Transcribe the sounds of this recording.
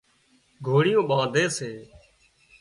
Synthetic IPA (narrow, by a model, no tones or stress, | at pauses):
ɡʱoːɽɪjõːɓãːd̪ʱeːseː